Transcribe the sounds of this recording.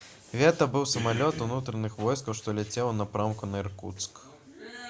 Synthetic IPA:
vʲɛt̪ɐbɨwsɐmalʲɔt̪unut̪ɾɐnɨxvɔjskɐwʂt̪ɔlʲɛt͡sʲɛwnapɾamkunɐirkṵt̪sk

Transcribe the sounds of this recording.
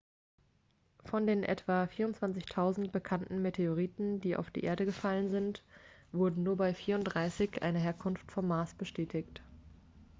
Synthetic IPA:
fɔndeːnʔɛ̰tv̥afiːɐʁʊntt͡sv̥ant͡sɪçtʰaʊzn̩t̚b̥əkʰantn̩metʰeoʁ̞iːtn̩diːʔa̰ʊfd̥ḭːʔḛːɐɾəɡəfalənzɪntv̥ʊɐdn̩nuːɐbaɪfiːɐʊntd̥ʁaɪsɪçʔa̰ɪnəɦeːɐkʰʊnftfɔmːaːsb̥əʃtʰɛːtʰɪçt

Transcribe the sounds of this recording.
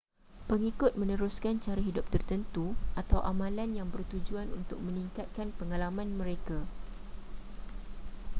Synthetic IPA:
pəŋikʊt̪̚mə̃nə̃ɾuskant͡ʃaɾaɦidʊp̚t̪ərt̪ənt̪uʔat̪awʔamãlanjaŋbərt̪ud͡ʒuanṵnt̪ʊk̚mə̃nĩŋkat̪̚kanpəŋalamãnmə̃ɾeka

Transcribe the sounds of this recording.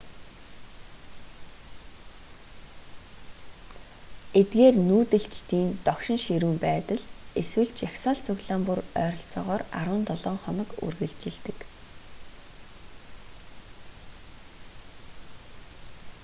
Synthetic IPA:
et̪̚ɡeːrnuːt̪ɘ̆ɬt͡ɕt̪iːnt̪ɔkʃɪ̆ŋʃiɾuːmpæːt̪ə̆ɮeswɘ̆ɮt͡ɕjaxsaːɬt͡sʰʊɣɮaːmpurœːɾɞ̆ɬt͡sɔːʁɔːra̰ɾwə̆nt̪ɔɮɔːɴχɔnɞ̆kṵrɣɘ̆ɮt͡ɕɪ̆ɮt̪ɘ̆k

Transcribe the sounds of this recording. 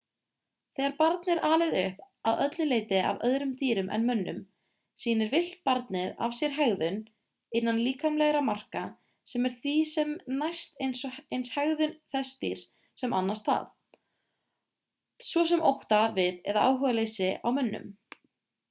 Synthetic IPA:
θɛɣaɾpaɾt̪nɪɾʔaːlɪɣðʏhp | aðœt̪lɪleːjt̪ɪa̰vœ̰ðɾʏmt̪iːɾʏmʔɛ̰nmʏnːʏ̰m | siːnɪɾvɪl̥t̪̚paɾt̪nɪɾa̰v̥sjɛɾ̥ɦɛɣðʏn | ɪnːanliːkamlɛɣɾamar̥ka | sɛmɛɾ̥θvisɛmnajst̪ejnsɔejnshɛɣðʏnθɛst̪ḭɾ̥ | sɛmʔa̰nːast̪ha̰θ | svɔs̬ɛmowht̪avɪðɛ̰ɾðaʔaːwɦœːɣalejsɪa̰wmʏnːʏ̰m

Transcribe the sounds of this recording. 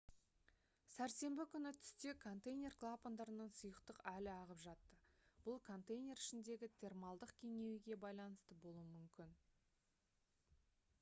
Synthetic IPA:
sæɾse̞mbɪkʲʰʏnɪt̪ʰʏ̥st̪e̞kʰo̞nt̪ejnʲe̞rklˠapond̪ɑɾənəɴsʊjəqt̪əqælɪɑʁəpʒɑt̪ːəb̥ʊlˠkʰo̞nt̪ejnʲe̞ɾɪʃɪnd̪e̞ɡʲɪt̪ʰe̞rmɑlˠd̪əqkʲʰe̞ŋe̞wɪɡʲe̞bɑjlˠɑnəst̪əbo̞lˠuwəmʏmkʲɪn

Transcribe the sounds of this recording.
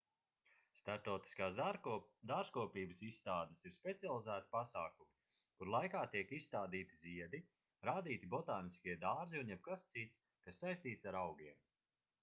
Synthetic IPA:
st̪aɾt̪ɔwt̪i̥skaːsd̪aːɾʒkuɔpiːbɨsisːt̪aːd̪ɨsiɾspʲet̪sialˠizæːt̪i̥pasaːkumi | kuɾlˠajkaːt̪iɛkisːt̪aːd̪iːt̪iziɛd̪i | ɾaːd̪iːt̪ibɔt̪aːniskʲiɛd̪aːɾziunjɛb̚kast̪sit̪s | kasːajst̪iːt̪saɾawɡʲiɛm

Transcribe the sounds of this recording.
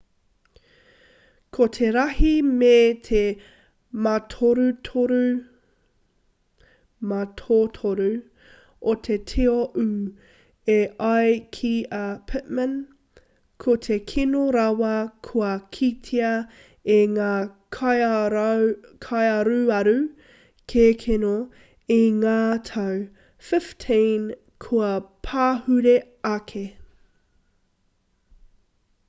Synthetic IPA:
kʰotʰeɾɐhimetʰe | matʰoɾutʰoɾu | matʰotʰoɾʉ | ʔot̪ʰetʰeoʔʉ | eɐjkʰiɐpʰɪt̚mən | kʰotʰekʰinoɾawɐkʰuɐkʰitʰiɐ | eŋaː | kʰajɐɾuɐɾʉ | kʰekʰeno | iŋaːtʰɐw | fɪftʰĩn | kʰuɐpʰaːhʉɾe | ɐkʰe

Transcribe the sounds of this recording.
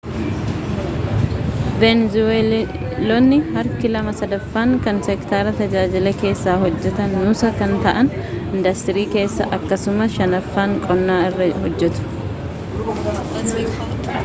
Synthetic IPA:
vɛnzwe | lɔnːɪhɐɾkɪlɐmɐsɐd̪ɐfːaːŋkɐnsɛkt̪aːɾɐt̪ɐd͡ʒaːd͡ʒɪlɛke̞ːsːaːhɔd͡ʒːɛt̪ɐnːʊːsɐkɐnt̪ɐʔɐn | ɪnd̪ɐst̪ɪɾiːke̞ːsːɐʔɐkːɐsʊmɐʃɐnɐfːaːŋkʼɔnːaːɪrːɐhɔd͡ʒːɛt̪ʊ̥

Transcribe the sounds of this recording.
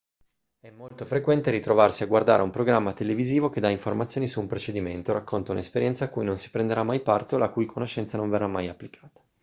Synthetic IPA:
ɛmːolt̪ofɾekwɛnt̪eɾit̪ɾovarsiaɡward̪aːɾeumpɾoɡɾamːat̪eleviziːvok̟ed̪ːaiɱformat̪sjoːnisuːmpɾot͡ʃed̪iment̪oɾakːont̪ounaespeɾjɛnt̪sakːujnonsi̥pɾend̪eɾamːajpart̪olakujkʰonoʃːɛnt̪sanõɱverːamːajapːlikʰaːt̪ḁ

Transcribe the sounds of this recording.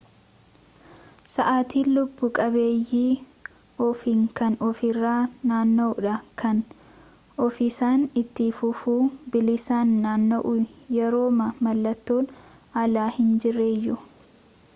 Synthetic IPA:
sɐʔaːt̪iːlʊbːʊkʼɐbeːjːiː | ɔfiŋkɐnɔfɪrːaːnaːnːoːᶑɐkʰɐn | ɔfisaːnɪt̪ːifʊfuːbɪlɪsaːnːaːnːoʔʊjɛɾo̞ːmɐmɐlːɐt̪ːoːn | ɐlaːhɪnd͡ʒɪrːeːjːʊ

